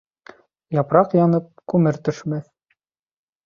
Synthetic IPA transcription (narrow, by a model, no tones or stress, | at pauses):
jɑpɾɑqjɑnɤp̚kʉmɘɾt̪ɵ̆ʃmæθ